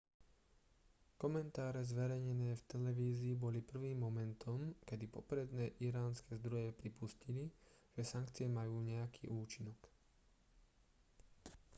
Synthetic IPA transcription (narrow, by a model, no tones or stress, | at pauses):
kɔmɛnt̪aːɾɛzʋɛɾɛjɲɛnɛːft̪ɛlɛʋiːziːbɔlipr̩ʋiːmːɔmɛnt̪ʰɔmkɛd̪ipɔpɾɛd̪nɛːʔiɾaːnskɛzd̪ɾɔjɛpɾipuscili | ʒ̥ɛsaŋkt͡sɪɛmajuːɲɛjakʰḭːʔuːt͡ʃinɔk